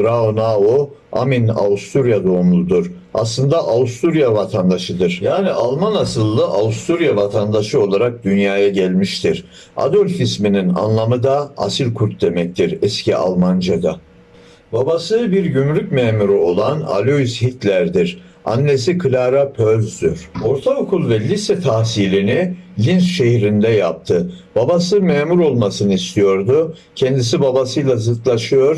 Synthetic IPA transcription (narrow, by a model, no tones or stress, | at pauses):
ɾaonaoa̰mina̰ust̪uɾjad̪oumlˠud̪uɾ̥ | a̰slˠɯnd̪aʔaust̪ʰuɾjavat̪ʰand̪aʃɯd̪ɯɾ̥jaːniʔalˠmanasɯlˠːɯʔaust̪uɾjavat̪ʰand̪aʃɯo̞lˠaɾak̚d̪ynjaːjaɟɛlʲmiʃt̪ʰiɾ̥ | a̰d̪ølʲfisminina̰nlˠamɯd̪aa̰silʲkʰuɾt̪̚d̪emɛc̚t̪ʰiɾɛscʰiʔa̰lˠmand͡ʒad̪a | babasɯbiɾɟymlʲycmɛːmuɾyo̞lˠana̰lʲoishit̪ʰlʲæɾd̪iɾ | a̰nːe̞sikʰɯlʲaɾapʰøzd̪yɾ̥o̞ɾt̪ʰaokʰulˠvɛlʲisɛt̪ʰahsilʲinilʲinsʃe̞hɾind̪ɛjap̚t̪ʰɯb̥abasɯmɛːmuɾo̞lˠmasɯnɯist̪ʰijo̞ɾd̪ʊ | cʰɛnd̪isibabasɯjlˠazɯt̪lˠaʃɯjo̞ɾ